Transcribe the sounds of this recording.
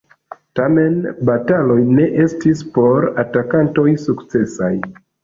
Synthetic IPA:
tame̞nbatalo̞jne̞ʔe̞stispo̞ɾatakanto̞jsukt͡se̞saj

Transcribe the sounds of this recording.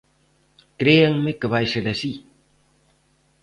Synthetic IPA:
kɾeaŋmekəβajseɾasi

